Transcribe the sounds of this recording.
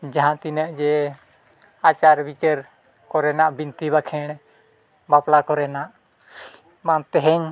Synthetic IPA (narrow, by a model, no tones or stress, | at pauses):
d͡ʒaɦãt̪inəʔd͡ʒɛ | at͡ʃaɾbit͡ʃəɾ | kɔɾɛnaʔbint̪iβakʰɛɽ̃ | baplakɔɾɛnaʔ | mant̪ɛɦɛɲ